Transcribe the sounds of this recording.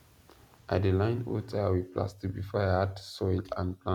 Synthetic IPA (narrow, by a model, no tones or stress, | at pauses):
ʔadəlãj̃no̰tʰaawipla̰stik̚bifɔahadsɔlã̰npʰlã